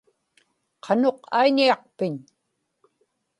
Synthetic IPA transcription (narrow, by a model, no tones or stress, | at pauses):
qʰɑno̞qaiɲiɑq̚pɪɲ